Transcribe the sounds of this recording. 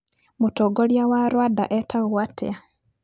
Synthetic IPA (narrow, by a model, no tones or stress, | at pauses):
mutoɡoljawaɾwada̰ʔetʰaɣuwatḛa